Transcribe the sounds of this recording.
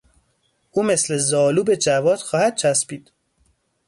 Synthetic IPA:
ʔuːme̞sle̞zɒːluːbe̞d͡ʒævɒːd̪̥xɒːhæd̪̚t͡ʃʰæspiːd̪̥

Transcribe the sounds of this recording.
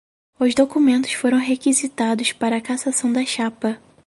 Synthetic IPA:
ʊzd̪okumẽnt̪ʊ̥sfoɾɐ̃w̃ɦekizit̪ad̪ʊspaɾɐːkasasɐ̃w̃d̪ɐʃapɐ

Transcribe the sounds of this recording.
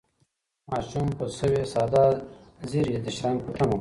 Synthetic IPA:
mɑːʃumpəsəwesɑd̪ɑziɾid̪əʃɾanpəʈamo

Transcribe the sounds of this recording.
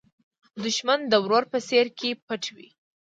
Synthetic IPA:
d̪ʊʃmand̪əwɾoɾpəseɾkʰepəʈwḭ

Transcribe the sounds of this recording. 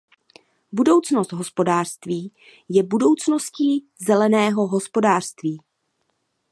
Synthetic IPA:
budo̞wt͡sno̞st̪ɦo̞spo̞daːr̥st̪viː | jɛbudo̞wt͡sno̞sciː | zɛlɛnɛːɦo̞ɦo̞spo̞daːr̥st̪viː

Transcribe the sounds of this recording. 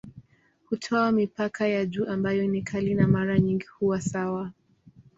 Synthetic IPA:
hutʰɔamipakʰajad͡ʒuːʔambajɔnikʰalinamaɾaɲiŋɡihuwasawa

